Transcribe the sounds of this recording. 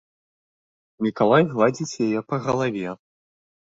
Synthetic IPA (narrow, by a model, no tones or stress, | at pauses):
nʲikalˠajɣlˠad͡zʲit͡sʲjajɛpɐɣɐlˠavʲɛ